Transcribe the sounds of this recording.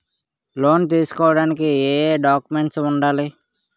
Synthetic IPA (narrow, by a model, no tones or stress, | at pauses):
lo̞ːnt̪̬iːsu̥kɔːʋɐɽaːnik̬ieːɖaːkume̞ɳʈsuɳɖaːli